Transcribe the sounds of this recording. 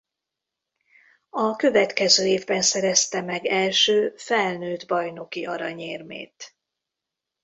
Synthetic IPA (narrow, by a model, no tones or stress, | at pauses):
ɒkø̞vɛt̪kɛzøːeːvbɛnsɛɾɛst̪ɛmɛɡɛlʃøːfɛlnøːd̪bɒjno̞kiʔɒɾɒɲeːrmḛːt̪